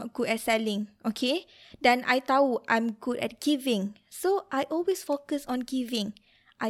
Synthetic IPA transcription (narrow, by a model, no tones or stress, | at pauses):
ɔt̚ɡ̥udɛtsɛlĩŋʔokʰe | dɛ̃nʔa̰jt̪auʔã̰jmɡudɛ̰t̚ɡ̥ivĩŋsoʔajʔɔlwesfokəsɔ̃nɡivĩŋ | ʔa